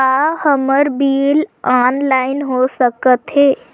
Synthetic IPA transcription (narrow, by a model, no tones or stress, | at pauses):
ahəməɾbiːlaːnlaːɪnɦosəkət̪ɦeː